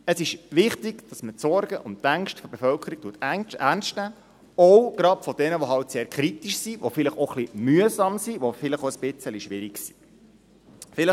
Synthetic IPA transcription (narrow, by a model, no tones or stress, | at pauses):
əsɪʃʋɪχtɪɡd̥ɑsmətt͡sɔɾɡəʔʊntæŋʃtfɔb̥efœlkʰəɾik̚tuːətæænstnæː | ɔwɡ̥ɾɑpfɔd̥ɛnəʋoɦɑltseːɾkʰɾit̪iʃsiʋofɪləχoχlimyəsɑmsiʋofɪləχoəsb̥ɪt͡səliʃʋɪɾiɡsi̥ | fɪlə